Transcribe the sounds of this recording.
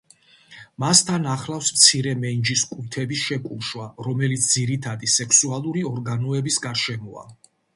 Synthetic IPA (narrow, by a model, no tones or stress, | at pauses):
mast̪ʰanaχlafsmt̪sʰiɾɛmɛnd͡ʒiskʼut̪ʰɛbisʃɛkʼuʃwaɾɔmɛlit̪sʰd̪ziɾit̪ʰad̪isɛkʰsualˠuɾiɔɾɡanɔɛbisɡaɾʃɛmɔa̰